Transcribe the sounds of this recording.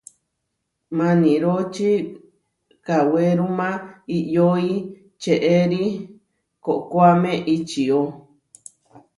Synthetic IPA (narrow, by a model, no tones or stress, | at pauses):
mãnĩɾot͡ʃi | kaweɾũmãijoi | t͡ʃeʔeɾi | koʔkoamẽʔit͡ʃio